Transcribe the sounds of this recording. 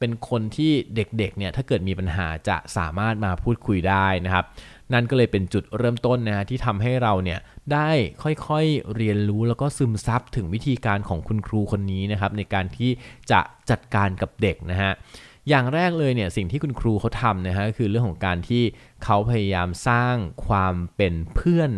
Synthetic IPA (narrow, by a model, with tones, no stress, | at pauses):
pe˧nkʰo˧nt̪ʰiː˥˩de˨˩k̚de˨˩k̚ni˥˩ɐt̪ʰaː˥˩kɤː˨˩t̪̚miː˧pa˧nɦa̰ː˩˦t͡ɕa̰˨˩saː˩˦maː˥˩t̪̚maː˧pʰuː˥˩t̪̚kʰu˧jdaː˥˩jna˦˥kʰa˦˥p̚ | na˥nkɔː˥˩lɤː˧jpe˧nt͡ɕu˨˩t̪̚ɾɤː˥˩mt̪o˥˩nːa˦˥kʰa˦˥t̪ʰiː˥˩t̪ʰa˧mɦa˥˩jɾa˧wni˥˩ɐdaː˥˩jkʰɔ˥˩jkʰɔ˥˩jɾi˧ənɾuː˦˥lɛː˦˥wkɔː˥˩sɯ˧msa˦˥p̚t̪ʰɯ˩˦ŋwi˦˥t̪ʰiː˧kaː˧nkʰɔː˩˦ŋkʰu˧nkʰɾuː˧kʰo˧nːiː˦˥na˦˥kʰa˦˥p̚na˧jkaː˧nt̪ʰiː˥˩t͡ɕa̰˨˩ʔt͡ɕa˨˩t̪̚kaː˧nka˨˩p̚de˨˩k̚na˦˥kʰa˦˥ʔ | jaː˨˩ŋɾɛː˥˩k̚lɤː˧jni˥˩ɐsi˨˩ŋt̪ʰiː˥˩kʰu˧nkʰɾuː˧kʰa˦˥wt̪ʰa˧mna˦˥kʰa˦˥kʰɯː˧ɾɯ˥˩əŋkʰɔː˩˦ŋkaː˧nt̪ʰiː˥˩ | kʰa˦˥wpʰa˧ja˧jaː˧msaː˥˩ŋkʰwaː˧mpe˧npʰɯ˥˩ən